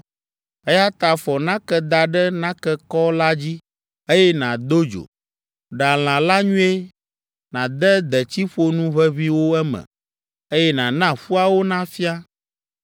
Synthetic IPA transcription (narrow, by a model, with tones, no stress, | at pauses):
ɛ˦ja˦t̪a˨fɔ˨nã˦kɛ˦d̪a˨ɖɛ˦nã˦kɛ˦kɔ˦la˦d͡ʑi˦ | e˦jɛ˦nã˨d̪o˦d͡ʒo̰˨ | ɖa˨l̃ã˨la˦ɲũ˦e˦ | nã˨d̪ɛ˦d̪ɛ˨t͡ɕi˦ɸo˦nũ˦βɛ˦βi˦wo˦ɛ˦mɛ̰̃˨ | e˦jɛ˦nã˨nã˦ɸu˦a˦wo˦nã˦fi˦a˦